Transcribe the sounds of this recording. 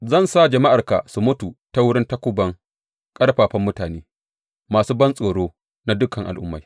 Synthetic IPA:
zɐ˦˨nsaː˦d͡ʒɐ˨ma˦ʔa˨rka̰˨su˨mʊ˦tu˨ta˦wʊ˦ɽɪ˦nta˦kʷʊ˦bɐ˦ŋ | kʼɐ˦ɽɸaː˨ɸɐ˦mːʊ˦taː˨neː˦ | maː˨suː˦bɐ˦nsʼoː˨ɽoː˦ | na˦dʊ˦kɐ˨ŋʔa̰˨lʔʊ˦mːa˨j

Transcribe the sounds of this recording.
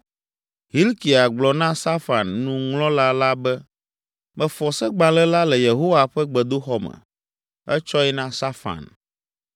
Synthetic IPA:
ɦi˦lki˨a˨ɡ͡blɔ˨nã˦sa˦fa˨nːũ˦ŋlɔ̃˦la˦la˦bɛ˦ | mɛ̃˨fɔ˨sɛ˦ɡ͡bã˨lɛ˦la˦lɛ˨je˨ɦo˦wa˨ɸɛ˦ɡ͡bɛ˨d̪o˦xɔ˦mɛ̰˨ | ɛ˦t͡ʃɔ˦ɛ˦nã˦sa˦fa̰˨n

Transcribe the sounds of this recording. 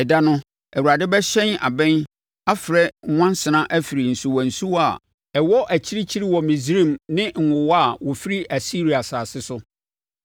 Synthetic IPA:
ɛ˨da˦nʊ̃˦ | ɛ˨u˨ɾa˨dɪ˦bɛ˦ɕɛ̃˦na̰˨bɛ̃˦n | a˦fɪ˨ɾɛ˦ŋ̩˦wã˦n˦sɪ˨nã˦ʔæ˦fi˨ɾi˨n̩˨su˨wɔ̃˨n̩˨su˦wa˨ | ɛ˨wɔ˦ʔæ˨t͡ɕʰi˦ɾi˦t͡ɕʰi˦ɾi˦wɔ˨mĩ˨zi˦ɾĩ˦˨mnɪ̃˦ŋ̩˨wʊ˨wɔ˦a˦˨wɔ˨fi˦ɾi˦ʔæ˨si˦ɾi˨a˨saː˨sɪ˦sʊ˦

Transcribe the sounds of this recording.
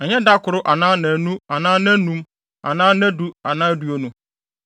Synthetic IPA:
ɛ˨ɲɛ̃˦da˦kʊ˨ɾʊ˦ʔa˨nãː˦nã˨nũ˦a˨nãː˦nã˦nũ˦m | a̰˨nãː˦nã˦du˦a˨nãː˦du˨o˦nũ˦

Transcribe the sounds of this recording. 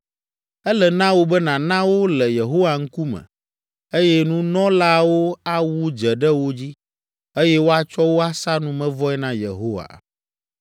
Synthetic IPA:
ɛ˦lɛ˨nã˦wo˦bɛ˦nã˨nã˦wo˦lɛ˨je˨ɦo˦wa˨ŋ̩˦ku˦mɛ̰̃˨ | e˦jɛ˦nũ˦nɔ̃˦la˦wo˦a˦wu˦d͡ʒɛ˨ɖɛ˦wo˦d͡ʑi˦ | e˦jɛ˦wo˦a˦t͡ʃɔ˦wo˦a˦sa˦nũ˦mɛ̃˦vɔ˦ɛ˦nã˦jḛ˨ɦo˦wa̰˨

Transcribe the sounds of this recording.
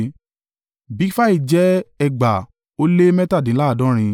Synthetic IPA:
bi˨˦fa˦i˦˨d͡ʒɛ˦ɛ˧ɡ͡ba˨ | o˦le˦mɛ̃˦ta˦˨dĩ˨˦la˦˨dɔ̃˨˦ɾ̃ĩ˧

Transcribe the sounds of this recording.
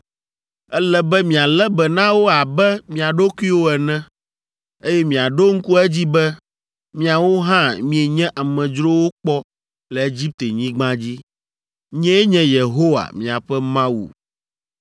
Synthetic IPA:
ɛ˦lɛ˦bɛ˦mĩ˨a˨lɛ˦bɛ˨nã˦wo˦a˨bɛ˦mĩ˨a˨ɖo˦ki˦wo˦ɛ˨nɛ̃˦ | e˦jɛ˦mĩ˨a˨ɖo˦ŋ̩˦ku˦ɛ˦d͡ʑi˦bɛ˦ | mĩ˦a˨wo˦ɦã˦mĩ˨e˨ɲɛ̃˦ʔa˨mɛ̃˨d͡ʒɾo˦wo˦k͡pɔ˦ | lɛ˨e˦d͡ʑi˦p̚t̪e˨ɲĩ˦ɡ͡bã˦d͡ʑi˦ | ɲɛ̃˦e˦ɲɛ̃˦je˨ɦo˦wa̰˨mĩ˨a˨ɸɛ˦mã˦wṵ˨

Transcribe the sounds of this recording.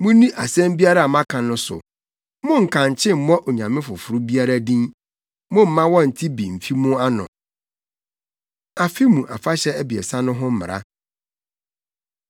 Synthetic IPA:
mũ˦nĩ˦ʔa˨sɛ̃˦mbi˦a˦ɾa˦˨mã˦kʰã˨nʊ̃˨sʊ̰˨ | mʊ̃˦ŋ̩˨kʰã˨ɲ˨t͡ɕʰɪ̃˦m̩˨mɔ̃˦ʔo˨ɲã˨mɪ̃˦fʊ˨fʊ˨ɾʊ˦bi˦a˦ɾa˦dĩ˦n | mʊ̃˦m̩˨mã˦wɔ̃˦n̩˨tʰi˦bi˨m̩˨fi˦mũ˦a˦nʊ̰̃˨ | a˨fi˦mũ˨ʔa̰˨fa˦ɕɛ˦æ˦bi˨ɛ˨sã˦nʊ̃˦ɦʊ̃˦m̩˦mɪ̰˨ɾa̰˦

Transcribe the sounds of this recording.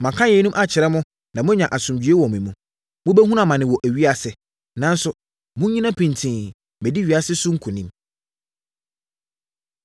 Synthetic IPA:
mã˨kʰã˦jɛ˨˦nũ˦mʔa˦t͡ɕʰɪ˨ɾɛ˦mʊ̃˦ | nã˨mʊ̃˦ɲã˨ʔa˨sʊ̃˨md͡ʑɥe˦wɔ˨mĩ˨mũ˨ | mʊ̃˦bɛ˦ɦũ˦ã˨mã˨nɪ̃˨wɔ˨ʔæ˨ɥi˦a˨sɪ˨ | nã˨˦n˦sʊ˦ | mʊ̃˦ɲĩ˦nã˦pʰĩ˨ntʰĩ˨ | mɛ̃˨di˦ɥi˨a˦sɪ˦sʊ̃˦ŋ̩˦kʰʊ̃˨nĩ˦m

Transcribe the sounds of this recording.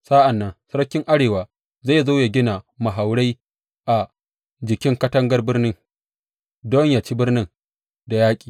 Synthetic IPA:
saː˦ʔa˨nːɐ˦ŋsɐ˦ɾkʲːɪ˦ŋʔa˦ɽeː˨waː˨ | za˦˨zoː˦ja˨ɡʲɪ˦na˨mɐ˨ɦa˨wɽa˦j | ʔa˨ | d͡ʒɪ˨kʲɪ˦ŋkɐ˦tɐ˦ŋɡɐ˦rbɪ˦rnɪ˦ŋ | dɔ˦ɲja˨t͡ʃi˦bɪ˦rnɪ˦ŋ | da˨jaː˦kʲʼi̥ː˨

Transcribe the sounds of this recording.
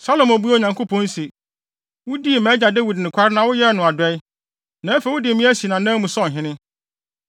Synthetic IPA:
sa˦lo˨mæ˨bu˦a˦˨ɲã˨ŋkʰo˦pʰɔ̃˦n˦si˨ | wʊ˦di˦˨mɛ̃˦d͡ʑa˨dɛ˦wi˨dnʊ̃˨kʷʰa˦ɾɪ˦nã˨wʊ˦jɛ˦˨nʊ̃˨a˨dɛ˦ɪ˦ | nã˨˦æ˦fe˨wʊ˦dɪ˨mĩ˦æ˦si˨nã˨nã˦mũ˨sɔ̃˦˨ɦɪ̃˦nɪ̃˦

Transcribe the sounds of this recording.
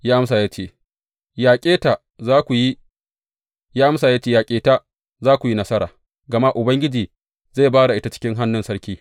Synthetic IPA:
jaː˦ʔa˦msaː˨jaː˦t͡ʃeː˦˨ | jaː˨kʲʼeː˦ta˨ | zaː˦kʷu˨ji˦ | jaː˦ʔa˦msaː˨jaː˦t͡ʃeː˦jaː˨kʲʼeː˦ta˦ | zaː˦kʷu˨ji˦nɐ˦sɐ˦ɾa̰ː˨ | ɡɐ˨ma˦ʔʊ˨bɐ˦ŋɡʲɪ˦d͡ʒiː˨ | za˦˨baː˦ɽa˨ʔɪ˦ta˦t͡ʃɪ̥˦kʲɪ˦ŋɦa˦nːʊ˨nsɐ˦ɽkʲiː˦

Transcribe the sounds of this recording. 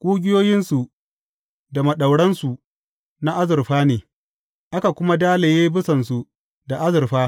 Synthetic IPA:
kʷʼuː˦ɡʲɪ˦joː˦jɪ˦nsu˨ | da˨mɐ˨ɗa˨wɽɐ˦nsu˨ | na˦ʔa˦zɪ˨rɸaː˦neː˨ | ʔa˦ka˨kʷʊ˦ma˦daː˦le˨jeː˦bɪ˦sɐ˨nsu˨ | da˨ʔa˦zɪ˨rɸaː˦

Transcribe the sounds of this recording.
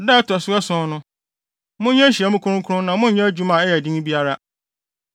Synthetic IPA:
da˦tʰʊ˨ɛ˨sʊ˦ɛ˦sʊ̃˦nʊ̃˦ | mʊ̃˦ɲɛ̃˦ɕi˨ɛ˦mʊ̃˦kʰʊ˦ɾʊ̃˦kʰʊ˦ʊ̃˦nã˨mʊ̃˦ɲɛ̃˦d͡ʑu˦mã˨ɛ˦jɛ˨dĩ˦ŋ̃˦bi˦a˦ɾa˦

